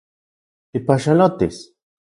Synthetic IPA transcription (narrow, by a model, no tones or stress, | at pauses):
ipaʃalot̪is